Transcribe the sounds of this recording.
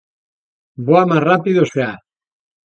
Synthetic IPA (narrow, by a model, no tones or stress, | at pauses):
boamarrapiðosea